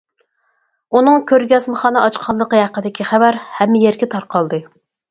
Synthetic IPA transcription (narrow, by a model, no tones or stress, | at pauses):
unɨŋkʲʰøɾɡʲɛsmɨχɑːnɨʔɑt͡ʃqʰɑlːˠəqəhæqːəd̪ɪkʲiχævæɾhɛmːɪjeɾɡʲɛt̪ʰɑɾqʰɑlˠd̪ɨ